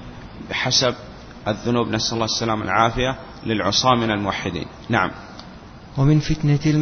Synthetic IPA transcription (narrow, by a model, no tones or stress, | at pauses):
bɪħasab̚ | ʔaðːʊnuːbnasʔalˤːɑːsːalaːma̰lʕaːfɪja | lɪlʕʊ̰sˤɑːmːɪnalmʊwaħːɪd̪ḭːn | naʕa̰m | wɪmɪnfɪt̪naɪl